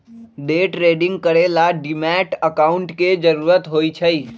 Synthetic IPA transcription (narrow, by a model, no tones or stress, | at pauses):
ɖeːʈɾeːɖɪ̃ŋɡ̚kəɾelaɖɪmɛːʈəkaːʊ̃ɳʈked͡ʒəɾuːɾət̪ɦoːit͡ʃʰɐiː